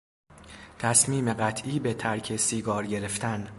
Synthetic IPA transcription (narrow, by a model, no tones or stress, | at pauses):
t̪ʰæsmiːme̞ɢæt̪ʰʔiːbe̞t̪ʰæɾcʰe̞siːɡɒːɾɟe̞ɾe̞ft̪ʰæn